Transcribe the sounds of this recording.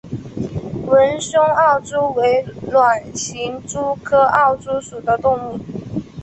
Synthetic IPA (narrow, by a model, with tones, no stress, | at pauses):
wə˧˦˥nsʊ˥ŋɑ˥˩ʊʈ͡ʂu˥we˧˥ɪlwa˨˩nɕi˧˥ŋʈ͡ʂu˥kʰɤ˥ʔɑ˥˩ʊʈ͡ʂu˥ʂu˨˩d̪ə˦t̪ʊ˥˧ŋu˥˩